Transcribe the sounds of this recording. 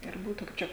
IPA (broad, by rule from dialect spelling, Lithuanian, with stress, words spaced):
ɪr ˈbuːtʊ kɐɪp ˈt͡ʃʲɛ